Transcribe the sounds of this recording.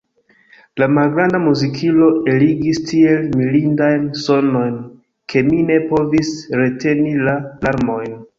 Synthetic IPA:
lamalɡɾandamuzikʰilo̞e̞liɡistie̞lmilindajnso̞no̞jn | kʰe̞mine̞po̞visɾe̞te̞nilalaɾmo̞jn

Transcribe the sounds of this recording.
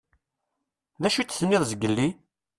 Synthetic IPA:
ðæʃut͡sːsmɪðˤzəɡəlːi

